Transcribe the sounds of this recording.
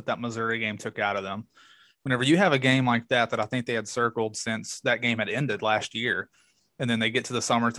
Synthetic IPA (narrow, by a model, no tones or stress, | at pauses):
t̪̚ðət̚məzɜ˞iɡẽɪ̃mtʰʊkaʊɾʌvðə̃m | wə̃nɛvə˞jɨːvɨɡẽɪ̃mlaɪk̚ðæt̪̚ðəɾaɪθɪ̃ŋk̚ðeɪɨd̥sɜ˞kl̩ˠd̥sɪ̃nsðɨt̚ɡ̥ẽɪ̃mɨɾɛ̃ndɨdˡlæst̚jɪɹ | ɨ̃nðɨ̃nðeɪɡɛtʰɨðəsʌmə˞tʰ